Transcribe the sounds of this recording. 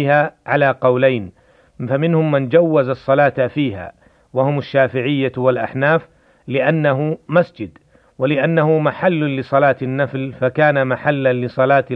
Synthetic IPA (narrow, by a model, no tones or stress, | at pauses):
haːʕalaːqɑwlajn | famɪnhʊmːand͡ʒawːazɑsˤːɑlaːt̪fiːɦa̰ | wahʊmaʃːaːfɪʕɪjːawalʔaħnaːf | lɪʔanːaɦʊmasd͡ʒɪd̪ | walɪʔanːahʊmaħalːʊlɪsˤɑlaːt̪ɪnːaflfakaːnamaħalːanlɪsˤɑlaːt̪